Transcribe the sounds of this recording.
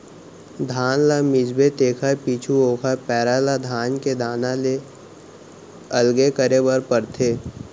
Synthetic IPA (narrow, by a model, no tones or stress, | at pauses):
d̪ʱaːnlamɪd͡ʒbet̪eːkʰapiːt͡ʃʰuoːkʰapɛːɾalad̪ʱaːnked̪ʱaːnãle | ɐlɡekəɾebəɾpəɾt̪ʰeː